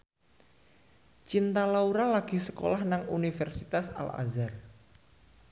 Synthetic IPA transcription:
t͡ʃint̪alauɾalaɡ̥i̤sə̥ko̰lahnaŋunifɛrsit̪asa̰la̰zar

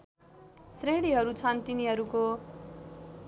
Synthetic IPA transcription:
sreɽiɦʌɾut͡sʰʌnt̪iniɦʌɾuko

